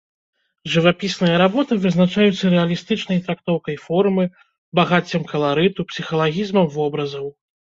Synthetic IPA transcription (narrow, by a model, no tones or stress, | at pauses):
ʐɨvapʲisnɐjɐɾabɔt̪ɨvɨznat͡ʂajut̪sːɐɾɛɐlʲist̪ɨt͡ʂnɐjt̪ɾak̚t̪ɔwkɐjfɔrmɨ | baɣat͡sʲːɐmkɐlˠaɾɨt̪upsʲixɐlˠaɣʲizmɐmvɔbɾɐzɐw